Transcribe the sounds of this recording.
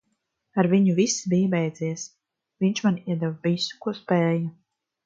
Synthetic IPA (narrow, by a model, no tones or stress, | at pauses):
aɾviɲuvisibibɛjd̪ziɛs | viɲt͡ʃmaniɛd̪ɛvvisu̥kuɔspɛːja